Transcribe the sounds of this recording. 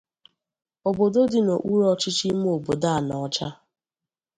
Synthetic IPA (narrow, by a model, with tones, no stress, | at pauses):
o˨bo˨do˦dɪ˨no˨ʔu˦ɾɔ˦t͡ʃi˦t͡ʃi˦m˦o˨bo˨da˦˨nɔ˨ɔ˦t͡ʃa˦